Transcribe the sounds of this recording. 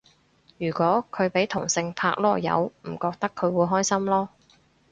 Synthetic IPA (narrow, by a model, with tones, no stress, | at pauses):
jyː˨˩kʷɔː˨˥kʰɵ˨˧ɥpe˨˥jt̪ʰʊ˨˩ŋsɪ˧ŋpʰaː˧k̚lɔː˧˩jɐ̰˨˧wm̩˨˩kɔː˧k̚t̪ɐ˥kʰːɵ˨˧ɥwuː˨˧jɦɔː˥jsɐ˥mlɔː˥